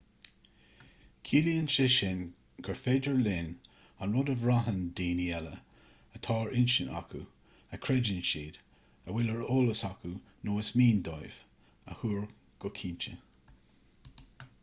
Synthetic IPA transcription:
kʰiːliənʃəʃɪn | ɡ̥ʰəɹfeːd͡ʒəɹlɪn | anɹʊdəvɹaɦənd̪iːniɛlə | ət̪ʰɑːɹʔɪnʃəna̰ku | əkʰɹɛd͡ʒɪnʃiːd̥̪ | əwɪləɹoːləsakʰu | noːəsmiːnd̪ɔjv̥ | ə̰huːɹ | ɡ̥ɔkʰiːnt͡ʃə

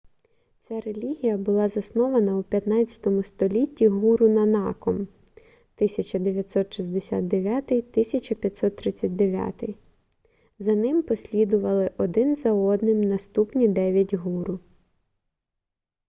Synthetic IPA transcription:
t͡sʲaɾelʲiɦʲijɐbʊlˠɑzɐsnɔʋɐnɐupʲjɐt̪nɑt͡st͡sʲjɐ̥t̪ɔmʊst̪ɔlʲitʲːiɦuɾʊnɐnɑkɔm | t̪ɪsʲɐt͡ʃɐd̪eʋʲjɐt̪ʲsɔt̪ʃizʲd̪esʲa̰t̪̚d̪eʋʲat̪ɪjt̪ɪsʲɐt͡ʃɐpʲjɐt̪ʲsɔt̪ːɾɪt͡sʲːɐt̚ʲd̪eʋʲja̰t̪ɪ̰j | zɐnɪmpɔsʲlʲid̪ʊʋɐlˠɪʔɔd̪ɪnzɐɔd̪nɪmnɐst̪upnʲid̪ɛʋʲjɐtʲɦuɾʊ

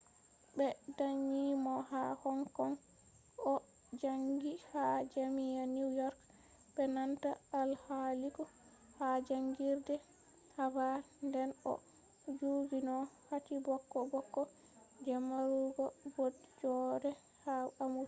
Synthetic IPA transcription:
bɛdaɲːimɔhahɔŋkɔŋ | ɔ | d͡ʒaŋɡihad͡ʒamijanijɔɾk | bɛnanta̰ːlhalikɔ | had͡ʒaŋɡiɾdɛ | haba | ndɛnɔ̰ | d͡ʒuɡinɔhatibɔkːɔbɔkːɔ | d͡ʒɛmaɾuɡɔbɔtd͡ʒɔɾɛ | haamu

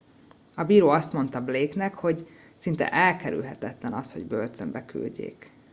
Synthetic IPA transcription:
ɒbiːɾoːɒst̪mo̞nt̪ɒbleːknɛkho̞ɟ | sint̪ɛ̰ʔɛlkɛɾy̰lɦɛt̪ɛt̪lɛnɒsho̞̰ɟbølt̪ømbɛky̰lɟḛːk

